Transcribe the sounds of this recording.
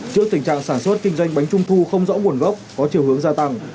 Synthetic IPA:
t͡ɕɨ˦˥ək̚t̪ï˨˩ŋ̟t͡ɕa̰ː˧˨ŋsaː˧˩nswə˦˥t̚kï˧ŋ̟zwa˧jŋ̟ɓa˨˦jŋ̟t͡ɕʊ˧ŋ͡mt̪ʰu˧xə˧wŋ͡mzɔ̰˧˥mu˨˩ənɣə˦˥p̚kɔ˨˦t͡ɕi˨˩əhɦəŋzaː˧t̪a˧ŋ

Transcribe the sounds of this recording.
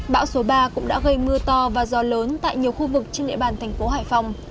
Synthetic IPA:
ɓa̰ː˧˥wso˨˦ɓaː˧kʊ̰˧˥ŋ͡mɗa̰ː˧˥ɣə˧jmɨ˧ət̪ɔ˧vaː˨˩zɔ˨˧˩ləː˨˦nt̪a̰ː˧˨jɲi˨˩əwxu˧vɨ˨˩k̚t͡ɕe˧nɗḭ˧˨əɓaː˨˩nt̪ʰɛ˨˩jŋ̟fo˨˦ɦaː˧˩jfa˧˩wŋ͡m

